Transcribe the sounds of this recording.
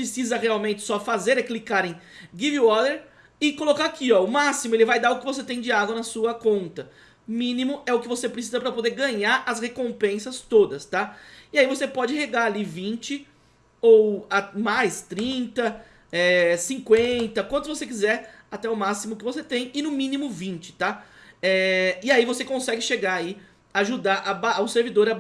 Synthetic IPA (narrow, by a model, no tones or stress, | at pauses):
pɾesizɐheawmẽnt͡ʃɪ̥sɔfazeɾɛklikaɾẽj̃ɡiviɔɾd̪eɾ | ɪkolokaɾakiɔʊmasimʊelɪvajd̪aɾʊkɪvos̬et̪ẽj̃d͡ʒɪaɡwɐnɐsuɐkõnt̪ɐ | mĩnimʊʔɛʊkɪvosepɾɪsizɐpɾɐpod̪eɾɡɐ̃ɲaɾɐshekõpẽsɐst̪od̪ɐst̪aɪaivosepɔd͡ʒɪɦeɡaɾalivĩnt͡ʃɪ | owamajst̪ɾĩnt̪ɐ | ɛsĩŋkwẽnt̪ɐkwɐ̃t̪ʊvosekizɛɾat̪ɛʊmasimʊkɪvoset̪ẽj̃ɪnʊmĩnimʊvĩnt͡ʃɪ̥t̪aɛɪaivosekõsɛɡɪʃeɡaai | aʒud̪aɾʔabaaʊseɾvid̪oɾɐ